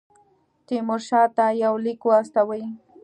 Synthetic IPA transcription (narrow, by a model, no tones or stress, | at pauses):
t̪ɪmʊɾʃaːt̪ajawlɪkʊast̪awɪj